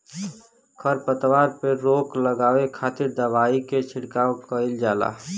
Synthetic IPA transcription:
kʰəɾpət̪waːɾpeɾoːkləɡaːwekʰaːt̪ɪɾd̪əʋaːiket͡ʃʰɪɽkaːokəɪld͡ʒaːla̰ː

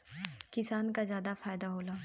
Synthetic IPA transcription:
kɪsaːnkazjaːd̪afaːjd̪aɦoːlaː

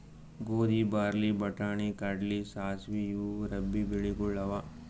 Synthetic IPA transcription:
ɡoːd̪ibaːɾlibɐʈaːɳ̃ikaɖlisaːsʋijuːɾɐbːibɪɭikʊlɐʋaː

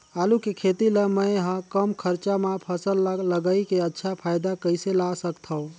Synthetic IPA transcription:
alukekʰet̪iləməjɦə̃kəmkʰəɾt͡ʃamapʰəsəlləɡəikeətːʃʰapʰajd̪akəɪselasəkt̪ʰəõ

